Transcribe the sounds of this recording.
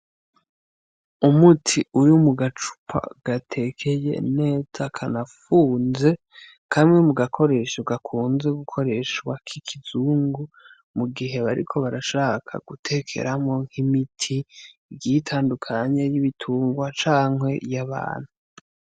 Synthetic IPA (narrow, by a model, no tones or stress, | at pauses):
umutʰiujumuɡat͡ʃu̥pʰa̰ɡ̥atʰe̞kʰe̞je̞̰ne̞ːzakʰanafuːnze̞ | kʰamŋe̞muɡakʰo̞ɾe̞ʃoɡakʰuːnze̞ɡukʰo̞ɾe̞ʃwakʰikʰizuːŋɡu | muɡiɦe̞βaɾḭkʰo̞βaɾaʃaːkʰa̰ɡ̥utʰe̞kʰḛɾamo̞ŋ̥himitʰi | itʰaːndukʰaɲe̞jiβitʰuːŋɡwat͡ʃaːŋɦwe̞jaβa̰ːn̥hu